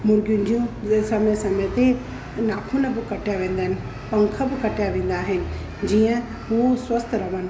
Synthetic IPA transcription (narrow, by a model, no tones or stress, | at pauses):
mʊɾɡjʊ̃nɪ̆d͡ʑiũsɐmesɐmet̪e | naːkʰʊnɐbɪkɐʈijaʋẽːn̆d̪əɦɪnɪ̆ | pɐ̃ŋkʰəbɪkɐʈijaʋẽːn̆d̪aːɦɪnɪ̆ | d͡ʑiːə̃ | ɦuswɐst̪ʰɾɐʋənɪ̆